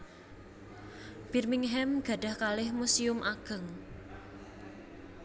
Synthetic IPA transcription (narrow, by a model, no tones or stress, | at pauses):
b̥i̤rmɪŋɦɛmɡ̥a̤ɖ̥a̤hkalɪhmusiʊmʔaɡ̥ə̤ŋ